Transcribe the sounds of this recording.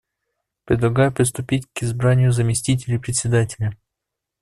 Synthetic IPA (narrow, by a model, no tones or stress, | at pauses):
pɾʲɪd̪lˠɐɡajɛpɾʲɪst̪ʊpʲitʲkɪzbɾanʲɪjʊzɐmʲɪsʲtʲit̬ʲɪlʲɪpɾʲɪtʲsʲɪd̪atʲɪlʲɐ